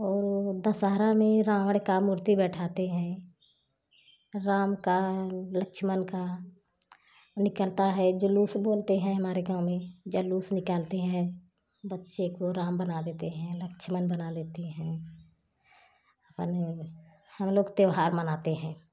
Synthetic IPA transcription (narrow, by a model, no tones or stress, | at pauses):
ɔːɾd̪əsaːɾamẽɾãːʋəɽkamʊɾt̪ibɛːʈʰaːt̪eɦɛ̃ː | ɾaːmkaləkʃʰmənka | nɪkəlt̪aɦɛd͡ʒəluːsboːlt̪eɦɛ̃ɦɐmaːɾeɡãːmẽd͡ʒəluːsnɪkalt̪eɦɛ̃ | bətːʃekoɾaːmbənad̪eːt̪eɦɛ̃ləkʃʰmənbənad̪eːt̪eɦɛ̃ː | əpn | həmloːɡt̪eʋɦaːɾmənaːt̪eɦɛ̃ː